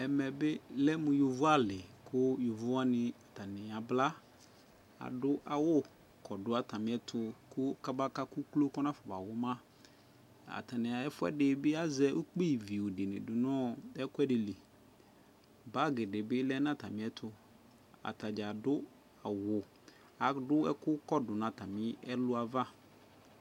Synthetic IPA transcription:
ɛ˨mɛ˨bɪ˦lɛ˦mʊ̃˨jo˨vʊ˦a˦lɪ˨kʰʊ˦jo˨vʊ˦a˦nɪ˨a˨ta˨nɪ˨a˨bla˦ | a̰˨dʊ˦ʔa˨wʊ˦ | kʰɔ˨dʊ˦a˦ta˨mɪ̃˨˦ɛ˦tʰʊ˨kʊ˦ka˦ba˦ka˦ku˦klo˦kɔ˦nã˦fɔ˨ba˨wʊ˦mã˦ | a̰˨ta˨nɪ˨a˨ɛ˦fʊ˦ɛ̰˦dɪ˨bɪ˦a˦zɛ˦u˦k͡pi˦˨vi˨ʊ˨dɪ˨nɪ̰̃˨dʊ˨nɔ˦ɛ˦kʊ˦ɛ˦dɪ˨li˨ | ba˨˦ɡɪ˨dɪ˨bɪ˦lɛ˦nã˦ta˨mɪ̃˦ɛ˦tʰʊ˨ | a̰˨ta˨d͡ʒa˨dʊ˦ | a˨wʊ˨ | a˨dʊ˦ɛ̰˦kʊ˦kɔ˦dʊ˨nã˨ta˨mɪ˦ɛ˦lʊ˦a˨va˦

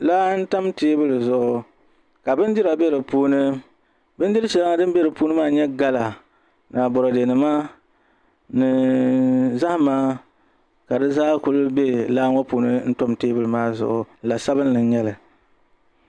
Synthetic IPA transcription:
laː˦n̩˦ta˦mteː˦bɨ˦lzʊ˨ʔʊ˨ | ka˨bɨ˦ndɪ˦ɾa˨bɛ˦ɾɨ˨puː˦nɨ˦ | bɨ˦n˦dɪ˦lɨ˦ʃɛ˨la˦ŋa˦dɨ˦m˦bɛ˦ɾɨ˨puː˦nɨ˦maː˦ɲɛ˦ɡa˦la˨ | na˨bɔ˨ɾɔ˨de˨nɨ˨maː˦ | nɨ˨ | za˦hmaː˦ | ka˨dɨ˦zaː˦ku˦lʊ˦be˦laː˦ŋɔ˦puː˨nɨ˦n̩˦to˦mteː˦bɨ˦lɨ˨maː˦zʊ̰˨ʔʊ˨˦˨la˨sa˦bɨ˦n˦lɨ˨˦ɲɛ˦lɨ˨

